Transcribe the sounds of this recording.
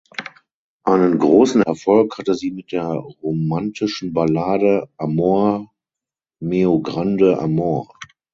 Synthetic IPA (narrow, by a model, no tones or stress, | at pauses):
ʔaɪnənɡʁoːsn̩ɛ̰ɐfɔlkhatəziːmɪt̚d̥eːɐʁomantʰɪʃn̩balaːdəʔamoɐ | meoɡʁandəʔa̰moːɐ